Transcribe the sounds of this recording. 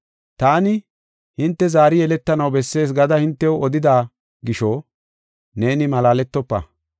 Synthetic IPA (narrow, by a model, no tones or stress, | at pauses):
t̪aːnɪ | hɪnt̪ːɛzaːɾɪjɛlɛt̪ːɐnɐwbɛsːe̞ːs̬ɡɐd̪ɐhɪnt̪ːɛwɔd̪ɪd̪aː | ɡɪʃɔ | ne̞ːnɪmɐlaːlɛt̪ːɔpːɐ̰